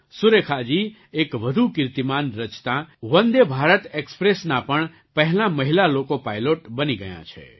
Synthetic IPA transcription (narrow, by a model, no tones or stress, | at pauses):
sʊɾekʰad͡ʒi | ekʋəd̪ʱukɪɾt̪imanɾət͡ʃt̪ãʋə̃nd̪ebʱaɾət̪ekspɾesnapəɳ | pəɦlãməɦilalokopajloʈbəniɡəjã̰t͡ʃʰḛ